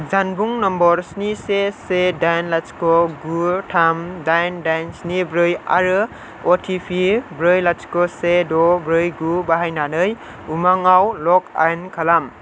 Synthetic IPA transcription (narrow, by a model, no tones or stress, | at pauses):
d͡ʒanbuŋnɔmbɔɾsnisesedajnlat͡ʃkɔɡutʰamdajndajnsnibɾɯja̰ɾɯ | otʰipʰibɾɯjlat͡ʃkɔsedɔbɾɯjɡubaɦajnanɯj | umaŋawlɔk̚a̰jnkʰalam